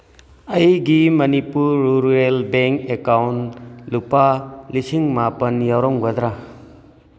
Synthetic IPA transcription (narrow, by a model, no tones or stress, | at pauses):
ɐjɡimɐnipuɾɾuɾuelbeŋkekawnlupalisiŋmapɐnjawɾɔŋɡɐd̪ɾa